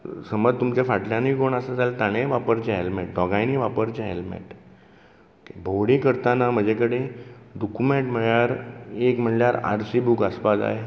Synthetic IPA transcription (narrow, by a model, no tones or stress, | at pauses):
səməd͡zt̪umt͡ɕafaʈljãniːkoɳəsəd͡zʱalt̪aɽ̃eʋapəɾt͡ɕeɦelmeʈ̚ɖɔɡãjniʋapəɾt͡ɕeɦelmḛʈ | kebʱowɽikəɾt̪anam̤əd͡ʑʱekəɽed̪ukumeɳʈm̤əɭjaɾekm̤əɳljaɾa̰ɾsibukəspad͡za̰ɦe